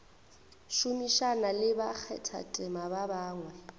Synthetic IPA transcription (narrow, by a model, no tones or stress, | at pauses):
ʃumiʃanalɪbak͡xʰɛ̰tʰa̰tʼɪmababaːŋwɛ